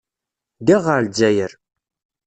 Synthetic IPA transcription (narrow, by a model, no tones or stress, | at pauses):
d̪iʁəɾld͡zæjəɾ